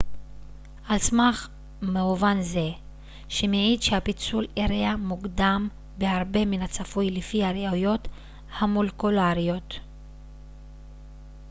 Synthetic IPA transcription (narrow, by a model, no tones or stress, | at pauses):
ʔalsmaχ | meuvanze̞ | ʃemeʕidʃehapit͡suleʁeamuɡd̪am | behaʁbe̞minhat͡safujlifihaʁeujo̞t | hamulekulaʁijo̞t